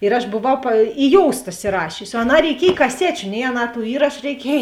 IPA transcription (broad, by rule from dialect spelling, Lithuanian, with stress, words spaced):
ɪr ɐʃ boːˈʋɐʊ pɐ ɪ ˈjoːʊstɐ ɪsʲɪˈrɑːʃʲʊsʲɪ oː ɐˈnɑː rʲɛɪˈkʲiɛj kɐˈsʲæːt͡ʃʲʊ nʲɛɪ ɐˈnɑː tuː ˈiːrɐʃʊ rʲɛɪˈkʲiɛj